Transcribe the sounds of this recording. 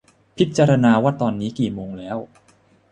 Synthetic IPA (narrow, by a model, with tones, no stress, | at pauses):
pʰi˦˥t̪̚t͡ɕaː˧ɾa˧naː˧waː˥˩t̪ɔː˧nːiː˦˥kiː˨˩moː˧ŋlɛː˦˥w